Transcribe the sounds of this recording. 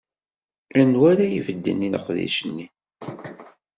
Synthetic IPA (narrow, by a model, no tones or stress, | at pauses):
ænwaɾajḭvəd̪ːə̰nːinəqðḭʃənːi